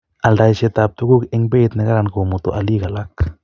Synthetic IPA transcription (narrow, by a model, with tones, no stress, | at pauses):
a˨lda˧jt͡ʃe˧t̪a˧p̚t̪u˦ɡu˦ke˧˦ŋbe˦t̪ne˧ɡa˦ɾa˧˨nɡo˨mo˨t̪o˨ʔa˨li˦ɡa˨la˦k